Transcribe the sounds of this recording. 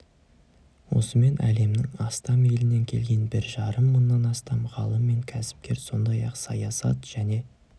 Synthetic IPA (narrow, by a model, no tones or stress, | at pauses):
wo̞̰səme̞nʔæ̰le̞mnɪŋɑst̪ɑme̞lɪne̞ŋkʲʰe̞̰lɡʲe̞nbɪɾʒɑɾəmːənːɑnɑst̪ɑmʁɑlˠəmːe̞ŋkʲʰæsɪ̥mkʲe̞ɾso̞nd̪ɑjɑqsɑjɑsɑ̰t̪ʒ̥æne̞